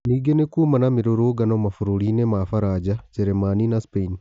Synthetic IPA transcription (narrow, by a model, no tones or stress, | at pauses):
niɡenekuːmanamiɾoɾoɡanomafuɾoɾinemafaɾad͡ʒad͡ʒeɾemaninaspeini